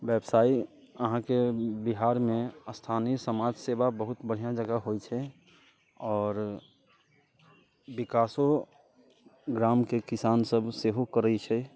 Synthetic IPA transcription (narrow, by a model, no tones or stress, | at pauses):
bɛbsaːi | əɦãkebiɦaːɾmẽəst̪ʰaːniəsəmaːd͡ʒsebabəɦʊt̪bəɽ̤ijãd͡ʒəɡaɦojt͡ʃʰɛ | ɔːɾ | bɪkaːso | ɡɾaːmkekɪsaːnsəbseɦokəɾəit͡ʃʰɛ